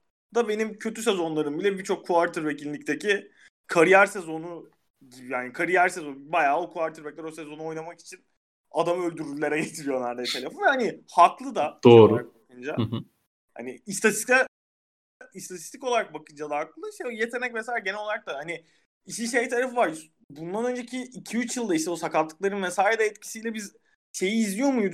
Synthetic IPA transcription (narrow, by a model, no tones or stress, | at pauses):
d̪̥abe̞nimcʰø̞t̪ʰyse̞zo̞nlˠaɾɯmbilʲɛbiɾt͡ʃʰo̞kʰːuaɾt̪ʰɯɾve̞cillːʲict̪ʰecʰi | kʰaɾijaɾse̞zo̞nu | ɟibijaːnikʰaɾijæɾsezonbajaːokʰuaɾt̪ʰɯɾvɛc̚lʲɛɾo̞se̞zo̞nuo̞jnamaki̥t͡ʃʰin | ad̪amø̞lʲd̪yɾyylʲe̞ɾɛɟɛt̪ʰɾijonˠaɾd̪ɛt̪ʰe̞lʲefonvɛhanihaklˠɯd̪ad̪oːɾuɾabakʰɯnd͡ʒa̰ | ha̰niist̪ʰat̪isa | ist̪ʰat̪ʰi̥st̪ʰikolˠaɾak̚bakɯnd͡ʒad̪aːklɯlˠaiʃt̪ɛjet̪ʰe̞nɛcvesaːlʲaɟenɛloaɾak̚t̪ahani | iʃiʃejt̪ʰaɾafɯvaɾs | bund̪anø̞nd͡ʒecʰiːcʰiyt͡ʃjɯlˠd̪aiʃt̪ɛusakalt̪ʰːɯk̚lˠaɾɯnmɛsaːɾɛd̪ɛːt̪̚cʰi̥sijlʲɛbiz | ʃe̞jiːzlʲijo̞mujd̪